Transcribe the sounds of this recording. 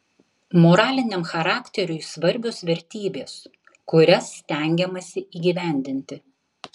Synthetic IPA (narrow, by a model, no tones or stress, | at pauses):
moɾɑːlʲɪnʲɛmxɐɾɑːkʲt̪ʲɛɾʲʊɪsʋɐɾʲbʲoːsʋʲɛɾʲt̪ʲiːbʲeːs | kʊɾʲɛsːʲt̪ʲæˑŋʲɡʲɛmɐsʲɪiːɡʲiːʋʲæˑnʲd̪ʲɪnʲt̪ʲɪ